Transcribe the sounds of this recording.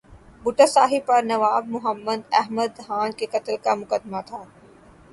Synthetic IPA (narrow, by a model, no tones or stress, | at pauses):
bʊʈasaːɦipɐɾnɐʋaːbmʊɦəmːəd̪ɛɦməd̪ɦaːnkekɐt̪əlkamʊkəd̪mat̪ʰaː